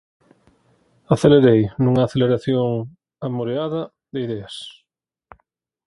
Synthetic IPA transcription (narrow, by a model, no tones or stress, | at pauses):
aθeleɾejnuŋaːθeleɾaθjoŋ | amoɾeaðɐ | ðeiðeas